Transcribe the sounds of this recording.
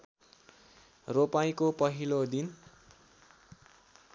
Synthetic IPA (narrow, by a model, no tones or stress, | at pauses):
ropajkopʌɦilod̪in